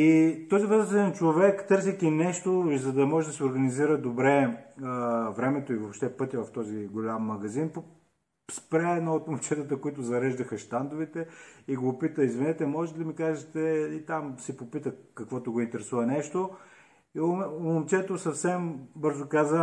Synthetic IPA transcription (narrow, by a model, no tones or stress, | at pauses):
it̪ɔzivəzɛnt͡ʃovɛkt̪ɤɾsikʲinɛʃt̪ozɐd̪ɐmɔʒɛd̪ɐsioɾɡɐniziɾəd̪obɾɛ | vɾɛmɛt̪oivopʃt̪ɛpɤt̪ʲjəvɐft̪ɔziɡolʲamːɐɡɐzinpo | spɾɛnoot̪momt͡ʃɛt̪ət̪əkʊit̪ʊzɐɾɛʒd̪ɐxəʃt̪and̪ʊvit̪ɛiɡopit̪əizvinɛt̪ɛmɔʒɛt̪ɛd̪ɐmikaʒɛt̪ɛit̪amsipopit̪əkɐkvɔt̪ʊɡoint̪ɛɾɛsuvɐnɛʃt̪o | iomomt͡ʃɛt̪osɐfsɛmbɤɾzʊkazə